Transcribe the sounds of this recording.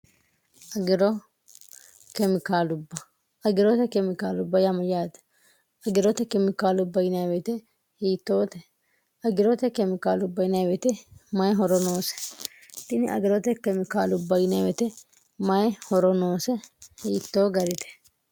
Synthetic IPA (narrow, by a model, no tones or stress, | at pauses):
ʔɐɡɪɾɔ | kɛmɪkaːlʊbːɐ | ɐɡɪɾɔt̪ɛkɛmɪkaːlʊbːɐjamɐjaːd̪ | ɐɡɪɾɔt̪ɛkɛmɪkaːlʊbːɐjɪnajwɛt̪ɛ | hiːt̪ːoːt̪ɛ | ɐɡɪɾɔt̪ɛkɛmɪkaːlʊbːɐjɪnɐjwɛt̪ɛmɐjɦɔɾɔnoːsɛ̥ | t̪ɪnɪʔɐ̰ɡɪɾɔt̪ɛkɛmɪkaːlʊbːɐjɪnɐwɛt̪ɛ | mɐjhɔɾɔnoːsɛhiːt̪ːoːɡɐɾɪt̪ɛ̥